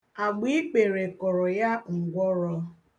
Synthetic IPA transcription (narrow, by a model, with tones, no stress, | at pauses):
a˨ɡ͡bi˦k͡pe˨ɾe˨kɔ˨ɾɔ˨ja˦ŋ̩˨ɡʷɔ˦ɾɔ˦